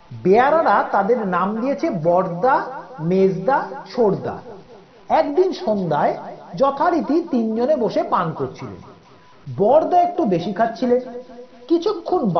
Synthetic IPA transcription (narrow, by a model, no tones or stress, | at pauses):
beaɾaɾat̪ad̪eɾnamd̪ijet͡ɕʰebɔɾd̪amed͡ʑd̪at͡ɕʰoɾd̪a̰ | ɛkd̪inʃond̪aed͡ʑɔt̪ʰaɾit̪it̪ind͡ʑoneboʃepankoɾt͡ɕʰilḛn | bɔɾd̪aek̚ʈubeʃikʰatːt͡ɕʰilenkit͡ɕʰukʰːonb